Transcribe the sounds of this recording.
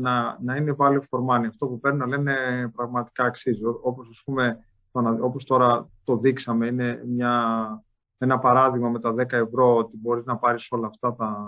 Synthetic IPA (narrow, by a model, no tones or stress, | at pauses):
nɐnɐinevɐlifo̞ɾmɐniɐft̪o̞pupe̞ɾninɐle̞ne̞pɾɐɣmɐt̪i̥kɐːksizoo̞po̞sɐspume̞ | t̪onɐo̞po̞st̪o̞ɾɐt̪o̞ðiksɐme̞ine̞mɲɐ | e̞nɐpɐɾɐðiɣmɐme̞t̪ɐðe̞kɐe̞vɾo̞ot̪ibo̞ɾiznɐpɐɾiso̞lɐːft̪ɐt̪ɐ